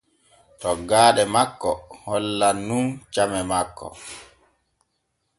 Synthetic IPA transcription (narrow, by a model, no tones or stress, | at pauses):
tɔɡaːɗɛmakːɔhɔlːanːunt͡ʃamɛmakːɔ̰